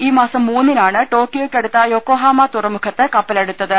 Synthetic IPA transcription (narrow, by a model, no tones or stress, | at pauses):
iːmaːsɐmːuːnːinaːɳɨʈo̞ːkːjoːkʲːeɽut̪ːɐjo̞ːkoːɦaːmaːt̪urɐmukʰɐt̪ːɨkɐpːɐleɽut̪ːɐðɨ